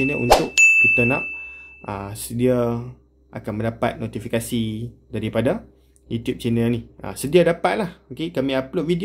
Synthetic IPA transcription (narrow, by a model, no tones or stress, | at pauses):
inəʔṵnt̪ʊʔ̚kit̪anã̰ʔ̚ʔə̰sədia | ʔa̰kanmə̃ndapa̰t̪̚not̪ifikasidaɾipada | jut̪jup̚t͡ʃanəniʔə̰sədiadapat̪̚lahokekamĩaplot̪̚vidi